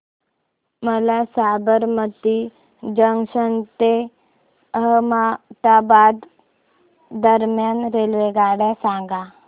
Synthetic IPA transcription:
məlasabəɾmət̪i | d͡ʒəŋʃənt̪e | əɦmat̪abad̪ | d̪əɾmjanɾelʋeɡaɽɛsãɡa

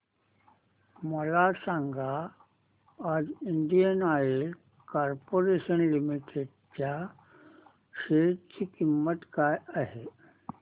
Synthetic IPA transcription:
məlasãŋɡʱa | d͡ziɳɖijənae | kaɾpoɾeɕənlimiʈeɖ | t͡ɕja | ɕeʈt͡ɕikimːət̪kajaɦe

